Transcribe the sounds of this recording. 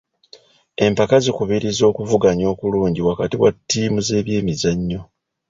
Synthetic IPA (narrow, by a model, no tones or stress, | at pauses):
e̞mpakazikuβiɾizo̞ːkuvuɡaɲo̞ːkuluːɲɟiwakatiwatːiːmuze̞ːβje̞ːmizaɲːo̞